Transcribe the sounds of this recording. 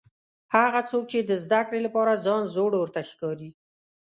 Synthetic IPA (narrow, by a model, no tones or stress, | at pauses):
haɣat͡sok̚t͡ʃed̪əzd̪akɽelapɑɾazɑnzoɽwəɾt̪axkɑɾi